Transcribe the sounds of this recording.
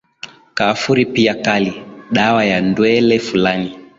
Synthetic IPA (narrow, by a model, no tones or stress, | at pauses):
kaːfuɾipiakaliɗawajandwɛlɛfulani